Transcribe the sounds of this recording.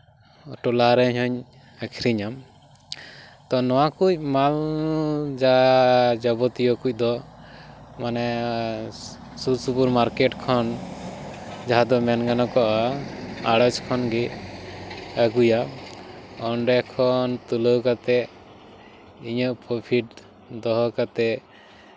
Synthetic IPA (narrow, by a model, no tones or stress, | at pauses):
ʈɔlaɾɛhɔɲ | akʰiɾiɲam | t̪ɔnɔwakuc̚mal | d͡ʒad͡ʒɔbɔt̪ijɔkuc̚ˀd̪ɔ | manɛ | susupuɾmaɾkɛʈkʰɔn | d͡ʒaɦad̪ɔmɛnɡanɔkɔʔaaɽət͡ʃkʰɔnɡɛ | əɡuja | ɔɳɖɛkʰɔnt̪uləwkat̪ɛ | iɲəʔpɾɔpʰiʈ | d̪ɔɦɔkat̪ɛ